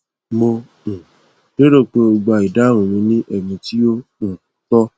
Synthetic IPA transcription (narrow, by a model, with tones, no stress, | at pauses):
mo˧ | ũ˨ | de˦ɾo˦˨k͡pe˧˦o˧ɡ͡ba˧˨i˨da˦ɾ̃ũ˨mĩ˧˦nĩ˦ʔɛ˨mĩ˧ti˦o˦ũ˦˨tɔ˦